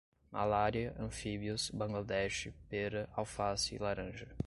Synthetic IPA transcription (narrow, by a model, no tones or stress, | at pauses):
ma̰laɾiɐʔɐ̃fibiʊsbɐ̃ŋɡlad̪ɛʃɪpeɾɐʔawfasḭlaɾɐ̃ʒɐ